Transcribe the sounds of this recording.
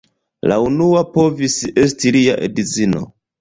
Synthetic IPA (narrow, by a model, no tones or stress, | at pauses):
la̰unuapo̞vise̞stiliaʔḛdit͡sino̞̰